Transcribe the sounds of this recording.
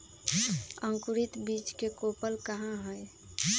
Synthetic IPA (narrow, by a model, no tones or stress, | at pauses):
əŋkuɾit̪bit͡ʃkekopəlkəɦãɦəj